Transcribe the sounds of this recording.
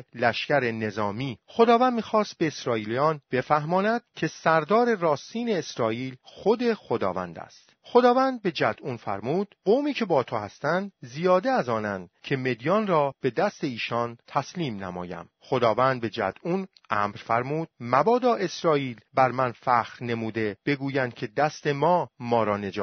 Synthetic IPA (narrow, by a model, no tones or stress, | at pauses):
læʃcæɾe̞ne̞zɒːmiːxo̞d̪ɒːvænd̪miːxɒːst̪̚be̞ːsɾɒːiːlijɒːnb̥e̞fæhmɒːnæd̪̥cʰe̞sæɾd̪ɒːɾe̞rɒːst̪iːne̞ːsɾɒːiːlxo̞d̪e̞xod̪ɒ̰ːvæ̰nd̪æ̰st̪χod̪ɒːvænd̪̚be̞d͡ʒæd̪̥ʔuːnfæ̰ɾmuːd̪̥ɡoːmiːcʰe̞bɒːt̪ʰohæst̪ænd̪zijɒːd̪e̞æzɒːnænd̪̥cʰe̞me̞d̪ijɒːnrɒːb̥e̞d̪æst̪e̞iːʃɒnt̪ʰæsliːmnæ̰mɒ̰ːjæ̰m | χod̪ɒːvænd̪̚be̞d͡ʒæ̰d̪̥un | ʔæːmɾfæɾmuːd̪̥̚mæbɒːd̪ɒːʔe̞sɾɒːiːlbæɾmænfæxɾne̞muːd̪e̞b̥e̞ɡuːjænd̪̚cʰe̞d̪æst̪e̞mɒːmɒːɾɒːne̞d͡ʒɒː